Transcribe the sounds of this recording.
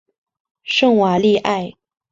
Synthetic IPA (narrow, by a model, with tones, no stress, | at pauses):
ʂɤ˥˩ŋwa˨˩li˥˧ʔa˥˩ɪ